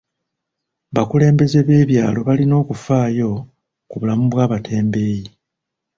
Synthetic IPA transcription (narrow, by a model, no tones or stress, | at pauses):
βakule̞ːmbe̞ze̞βe̞ːβjaːlo̞βalino̞ːkufaːjo̞ | kuβulamuβwaːβatʰe̞ːmbe̞ːji